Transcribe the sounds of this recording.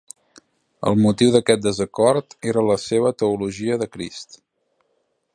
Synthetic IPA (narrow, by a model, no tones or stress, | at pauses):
ə̰lˠmut̪iwðəkɛt̪̚d̪əzəkɔrt̪eɾələseβ̞ət̪əuluʒiəðəkɾḭst̪